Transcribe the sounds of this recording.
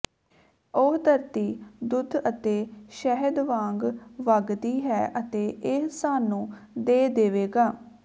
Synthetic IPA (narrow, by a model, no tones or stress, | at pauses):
oɦd̪əɾt̪iːd̪ʊd̪ət̪eːʃəɦəd̪ʋãːŋɡʋəɡd̪iːɦɛːʔət̪eːɪɦsaːnũːd̪eːd̪eːʋeːɡaː